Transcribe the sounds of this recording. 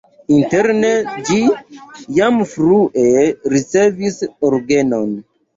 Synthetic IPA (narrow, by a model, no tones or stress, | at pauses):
inte̞ɾned͡ʒi | jamfɾuʔeɾit͡se̞visoɾɡenon